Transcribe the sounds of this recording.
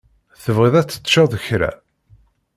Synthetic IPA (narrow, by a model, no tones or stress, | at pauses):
θəvʁiðˤæt͡sːə̥t̪ːʃɑðˤəçɾæ̰